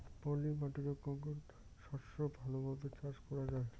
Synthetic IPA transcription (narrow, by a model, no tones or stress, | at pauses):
pɔlimaʈid͡ʑokːɔŋkon | ʃɔʃobʱalobʱabet͡ɕaʃkɔɾad͡ʑae